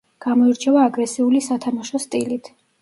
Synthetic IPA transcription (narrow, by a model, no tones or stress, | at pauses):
ɡ̥amɔiɾt͡ʃʰɛvaːɡɾɛsiulisat̪ʰamaʃɔst̪ʼilit̪ʰ